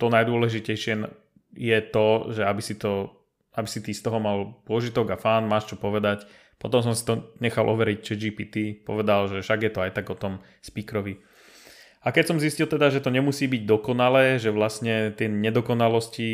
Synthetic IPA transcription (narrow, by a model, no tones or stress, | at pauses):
t̪ɔnajd̪ʊɔlɛʒicɛjʃɪɛ | jɛt̪ɔʒɛabisit̪ɔ | abisit̪ist̪ɔɦɔmalpʊɔʒit̪ɔɡafaːnmaːʃt͡ʃɔpɔʋɛd̪ac | pɔt̪ɔmsɔmsi̥t̪ɔɲɛxalʔɔʋɛɾict͡ʃɛd͡ʒiːpiːt̪ipɔ̰ʋɛd̪alʒɛfʃaɡjɛt̪ɔajt̪aɡɔt̪ɔm | spiːkɾɔʋi | akɛcsɔmziscilt̪ɛd̪aʒɛt̪ɔɲɛmusiːbiɟd̪ɔkɔnalɛːʒɛʋlasɲɛt̪jɛɲɛd̪ɔkɔnalɔsci